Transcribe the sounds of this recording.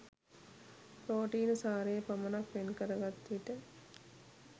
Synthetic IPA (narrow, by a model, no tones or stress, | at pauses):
pɾoːʈiːnəsaːɾejəpəmənakʋenkəɾəɡat̪ːiʈə